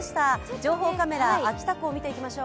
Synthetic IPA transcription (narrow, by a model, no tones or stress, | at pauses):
ɕi̥t̪ad͡ʑo̞ːɦo̞ːkame̞ɾaːkʲi̥t̪akɯoːmʲit̪e̞ikʲimaɕo̞ː